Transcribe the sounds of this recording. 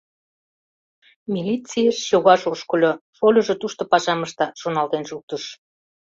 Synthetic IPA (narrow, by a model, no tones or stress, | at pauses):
mʲilʲit͡sijəʃjoɣɑʃoʃkolʲofolʲoʒe̽t̪uʃt̪opɑʃɑməʃt̪ɑʃonɑlt̪enʃuk̚t̪əʃ